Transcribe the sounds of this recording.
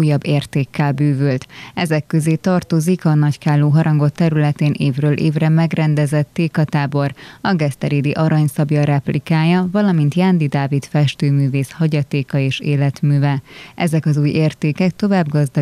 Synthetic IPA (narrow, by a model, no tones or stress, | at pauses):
ujɒbːeːrt̪eːkʰːɛlbyːvylt̪ɛzɛkːøzeːt̪ɒrt̪o̞zikɒnɒckaːlːoːɦɒɾɒŋɡo̞t̪ːɛɾylɛt̪eːnʔeːvrøːlʔeːvrɛmɛɡrɛnd̪ɛzɛt̪ːeːkɒt̪aːbo̞rɒɡɛst̪ɛɾid̪iʔɒɾɒɲsɒbjɒɾɛplikaːjɒvɒlɒmint̪jand̪id̪aːvit̪fɛʃt̪øːmyːveːshɒɟɒt̪eːkɒeːʃeːlɛt̪myːvɛʔɛzɛkɒzuːjeːrt̪eːkɛk̚t̪o̞vaːbɡɒzd̪ɒ